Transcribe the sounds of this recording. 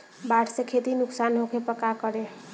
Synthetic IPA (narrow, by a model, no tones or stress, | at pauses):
baʈʰsẽkʰet̪inuksanɦokʰepəkakəɾe